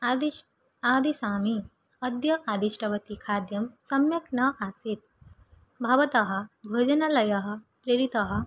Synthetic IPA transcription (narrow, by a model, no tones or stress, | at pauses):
aːd̪isaːmi | ɐd̪jɐʔaːd̪iʂʈʰɐʋɐt̪ikʰaːd̪jɐmsɐmjɐknɐʔasit̪ | bʱɐʋɐt̪ɐɦɐ̆ɡʱoːd͡ʒɐnalɐjɐɦɐ̆ | pɾeɾit̪ɐɦɐ̆